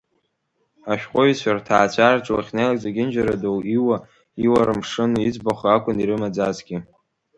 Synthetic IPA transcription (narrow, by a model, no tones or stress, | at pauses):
aʃᶣqʷʼojsʷartʰaːt͡ɕʷʰart͡ʃʼawaχʲnelakʼzaɡʲɪnd͡ʒaɾadowiwa | iwaɾɨmʂɨnid͡zbaχaakʷʼʊniɾɨmad͡zazɡʲɪ